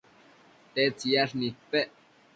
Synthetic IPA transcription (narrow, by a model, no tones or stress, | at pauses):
t̪et͡sjaʂnipeʔ